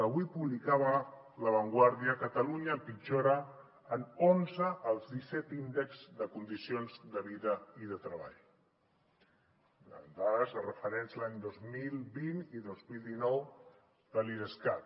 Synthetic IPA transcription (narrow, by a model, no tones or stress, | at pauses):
əβwipuβlikaβə | ləβ̞əŋɡwaɾðiəkət̪əluɲəːmpid͡ʒoɾəː | nonzəʔːlˠzðisɛt̪ind̪ekzd̪əkund̪isionzd̪əβiðəiðət̪ɾəβa̰ʎ | ə̰nd̪aðəzərəfəɾɛnzlaɲd̪ozmilˠβiniðozmilˠd̪inɔw | ðəliɾəskat̪